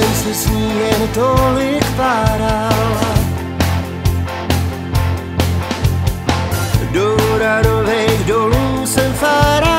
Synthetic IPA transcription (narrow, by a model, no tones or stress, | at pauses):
ɛmsɛsɲiːɦɛnt̪olɪkpaɾala | doɾaɾovɛjɣdoluːsɛmfaɾa